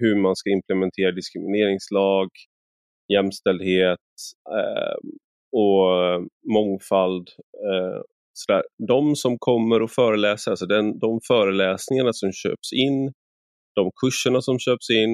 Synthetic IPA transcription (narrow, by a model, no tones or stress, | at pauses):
hɵmanskaɪmpʰlɛmɛnt̪ʰeːɾad̪ɪskɾɪmɪneːɾɪŋslɑːɡ | jɛmst̪ɛld̪heːt̪̚ | ɔ | mɔŋfald̪ | sɔd̪æ̰ːɾdɔmsɔmkʰɔmːəɾɔfœːɾəlɛːsəɾalsɔd̪ɛnd̪ɔmfœːɾəlɛːsnɪŋaɳasɔmɕø̰ːpsɪnː | d̪̥ɔmkʰɵʂːəɳasɔmɕøːpsɪnː